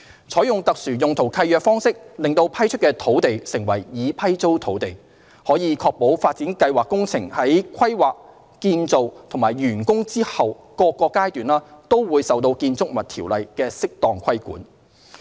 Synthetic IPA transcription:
t͡sʰɔː˨˥jʊ˨ŋt̪ɐ˨k̚syː˨˩jʊ˨ŋt̪ʰo˨˩wkʰɐ˧jœː˨˧k̚fɔː˥ŋsɪ˥k̚lɪ˨ŋt̪o˧wpʰɐ˥jt͡ʃʰt̚kɛː˧t̪ʰo˨˥wt̪e˨jsɪ˨˩ŋwɐ˨˩jjiː˨˧pʰɐ˥jt͡so˥wt̪ʰo˨˥wt̪e˨˩j | hɔː˨˥jiː˨˧kʰɔː˧k̚po˨˥wfaː˧t̚t͡siː˨˥nkɐ˧jwaː˨kːʊ˥ŋt͡sʰɪ˨˩ŋhɐ˨˥jkʷʰɐ˥jwaː˨k̚ | kiː˧nt͡so˨wt̪ʰʊ˨˩maː˨˩jɥyː˨˩nkʊ˥ŋt͡siː˥hɐ˨w | kɔː˧kːɔː˧kaː˥jt̪yː˨nlaː˥t̪o˥wwuː˨˧jsɐ˨wt̪̬o˧wkiː˧nt͡sʊ˥k̚mɐ˨t̚t̪ʰiː˨˩wlɐ˨jkɛː˧sɪ˥k̚t̪ɔː˨ŋkʷʰɐ˥jkṵː˨˥n

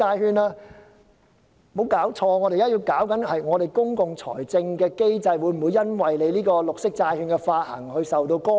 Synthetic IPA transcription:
aː˧jɦyː˧naː˧ | mo˨˥wkaː˨˥wt͡ʃʰɔː˧ŋɔː˨˧ɾe˨jaː˥ji˧wkaː˨˥wkɐ˨˥nhɐ˨jŋɔː˨˧ɾe˨jkʊ˥ŋkʊ˨ŋt͡sʰɔ̰ː˨˩jt͡sɪ˧ŋkɛː˧ke˥jt͡sɐ˧jwuː˨˧jm̩˨˩wu˨˧jɐ˥nwɐ˨jle˨˧liː˥kɔː˧lʊ˨k̚sɪ˥k̚t͡saː˧jhyː˧nkɛ˧faː˧t̚hɐ̰˨˩ŋhɵ˧sɐ˨wt̪o˧wkɔː˥

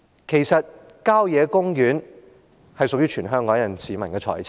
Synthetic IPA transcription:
kʰe˨˩jsɐ˨t̚ | kaː˥wjɛː˨˧kʊ˥ŋjyː˨˥n | hɐ˨jsʊ˨k̚jyː˥t͡ʃʰyː˨˩nɦœː˥ŋkɔː˨˥ŋjɐ˨˩nsiː˨mɐ˨˩nkɛː˧t͡ʃʰɔ̰ː˨˩jʰ

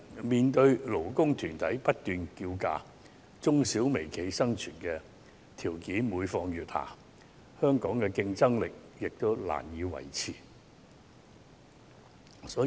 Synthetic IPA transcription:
miː˨nt̪ɵ˧ɥlo˨˩wkʊ˥ŋt̪ʰyː˨˩nt̪ʰɐ˨˥jpɐ˥t̚t̪yː˨nkiː˧wka̰ː˧ | t͡sʊ˥ŋsiː˨˥wme˨˩jkʰe˨˧˥jsɐ˥ŋt͡ʃʰyː˨˩nkɛː˧ | t̪ʰiː˨˩wkiː˨˥nmuː˨˧jfɔː˧ŋjyː˨t̚ha̰ː˨˩ | hœː˥ŋkɔː˨˥ŋkɛː˧kɪ˧ŋt͡sɐ˥ŋlɪ˨k̚jɪ˨k̚t̪o˥wla̰ː˨˩njiː˨˧wɐ̰˨˩jt͡sʰiː˨˩ | sɔː˨˥

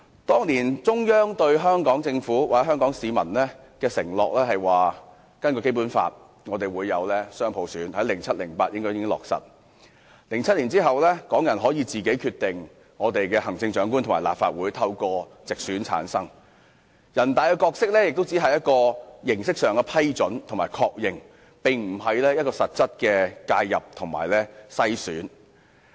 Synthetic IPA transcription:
t̪ɔː˥ŋliː˨˩nt͡sʊ˥ŋjœː˥ŋt̪ɵ˧ɥɦœː˥ŋkɔː˨˥ŋt͡sɪ˧ŋfuː˨˥waː˨t͡sɛ˦˥ɦœː˥ŋkɔː˨˥ŋsiː˨˧mɐ˨˩nlɛː˥ | kɛː˧sɪ˨˩ŋlɔ̰ː˨k̚lɛː˥ɦɐ˨jwaː˨˩ | kɐ˥nkɔ˧ke˥jp̬uː˨˥nfa̰ː˧t̚ | ŋɔː˨˧t̪e˨jwuː˨˧jːɐ˨˧wlɛː˥sœː˥ŋpʰo˨˧˥wsyː˨˥nhɐ˨˥jlɪ˨˩ŋt͡sʰɐ˥t̚lɪ˨˩ŋpaː˧t̚jɪ˥ŋkɔː˥jɪ˥kɪ˥ŋlɔ̰ː˨k̚sɐ̰˨t̚ | lɪ˨˩ŋt͡sʰɐ˥t̚liː˨˩nt͡siː˥ɦɐ˨wlɛː˥kɔː˨˥ŋjɐ˨˩nɦɔː˨˥jiː˨˧t͡siː˨ke˨˥jkʰyː˧t̪ɪ˨ŋ | ŋɔː˨˧t̪e˨jkɛː˧hɐ˨˩ŋt͡sɪ˧ŋt͡ʃœː˨˥ŋku˥nt̪ʰʊ˨˩maː˨˩la̰ː˨pfa̰ː˧t̚wuː˨˥jt̪ʰɐ˧wkɔː˧t͡sɪ˨k̚syː˨˥nt͡sʰa̰ː˨˥nsɐ˥ŋ | jɐ˨˩nt̪aː˨jkɛ˧kɔː˧k̚sɪ˥k̚lɛː˥jɪ˨k̚t̪o˥wt͡siː˨˥ɦɐ˨jɐ˥t̚kɔː˧jɪ˨˩ŋsɪ˥k̚sœː˨ŋkɛ˧pʰɐ˥jt͡ʃɔ˨˥nt̪ʰŋmaː˨˩jkʰɔː˧k̚jɪ˨ŋ | pɪ˨ŋm̩˨˩ɦɐ˨jlɛː˥jɐ˥tkɔː˧sɐ˨t̚t͡sɐ˥t̚kɛː˧kaː˧jːɐ̰˨p̚t̪ʰʊ˨˩ŋma̰ː˨˩jlɛː˥sɐ˥jsyː˨˥n

